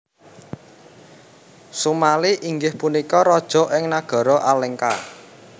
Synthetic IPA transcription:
sumaliʔiŋɡɪhpunikɔɾɔd̥ʒ̥ɔ̤ʔɪŋnaɡ̥ɔ̤ɾɔʔalɪŋka

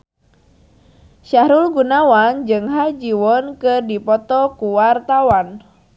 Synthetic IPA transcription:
ʃahɾulɡunawand͡ʒɨŋɦad͡ʒiwɔnkɨrdipɔt̪ɔkuwart̪awan

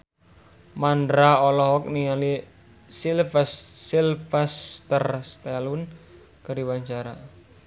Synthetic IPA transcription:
mandɾaɔlɔɦɔk̚niŋali | silfɛsːilfɛst̪ərst̪ɛlun | kəɾiwaɲt͡ʃaɾa̰

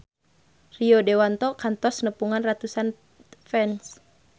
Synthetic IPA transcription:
riɔdewant̪ɔkant̪ɔsnəpuŋanrat̪usan | fɛns

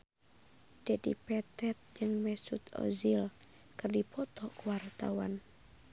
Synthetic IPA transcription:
d̥ɛdḭpɛt̪ɛt̪̚d͡ʒɨŋmɛsut̪ɔ̰zil | kɨrdipɔt̪ɔkuwart̪a̰wa̰n

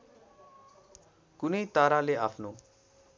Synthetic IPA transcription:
kunejt̪aɾaleapʰno

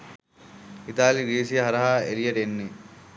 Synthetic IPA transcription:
it̪aːliɾiːsijɐɦɐɾɐɦaːeɾijɐʈenːe

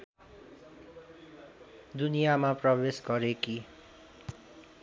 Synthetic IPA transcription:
d̪unijamaprʌbesɡʌɾeki

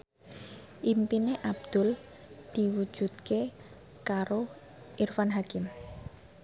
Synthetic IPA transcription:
ʔimpineʔab̚d̪̥ʊ̤l | d̪̥i̤wu̥ʒ̥ṳt̪̚ke | kaɾo | ʔirfanɦakɪm

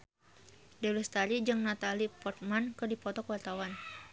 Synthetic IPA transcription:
dɛlɛst̪alid͡ʒɨŋnat̪alipɔrt̪̚mankɨdipɔt̪ɔkwart̪awan

